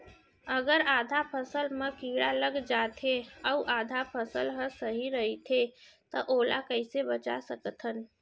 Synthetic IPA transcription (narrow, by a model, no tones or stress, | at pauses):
əɡəɾaːd̪ʱapʰəsəlmə̃kiːɽaləɡd͡ʒaːt̪ʰeɔuʔaːd̪ʱapʰəsəlɦə̃səɦiɾəɦit̪ʰe | t̪əʔoːlakəɪsebət͡ʃa̰səkt̪ʰɦən